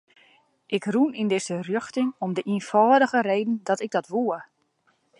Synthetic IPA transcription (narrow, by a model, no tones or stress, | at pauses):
ʔɪkrunindɪsərjøxtɪŋɔmdəʔinfɔːdəɣəɾejdən̩dɔtɪɡ̚dɔtʋuə